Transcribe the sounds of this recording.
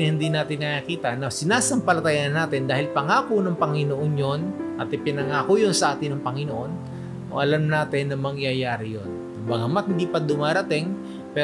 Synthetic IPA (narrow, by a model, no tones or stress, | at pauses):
nhɪnd̪iːnaːt̪ɪnːɐʔakiːt̪ɐnɐsɪnaːsɐŋpɐlɐt̪ɐjanːaːt̪ɪnd̪aːhɪlpɐŋaːkonɐŋpɐŋɪnoʔonjonʔɐt̪ɪpɪnɐŋaːkojonsɐʔaːt̪ɪnɐŋpɐŋɪnoʔo̞n | ʔo̰ʔɐlamnaːt̪ɪnːɐmɐŋɪjajaːɾɪjon | ɐbɐɡɐmɐt̪hɪnd̪iːpɐd̪ʊmaːɾɐt̪ɪŋ | pɛ